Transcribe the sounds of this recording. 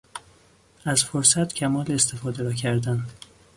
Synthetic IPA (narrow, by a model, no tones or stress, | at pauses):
æzfoɾsæt̪cʰæmɒːleːst̪ʰe̞fɒːd̪eɾɒːcʰæɾd̪æn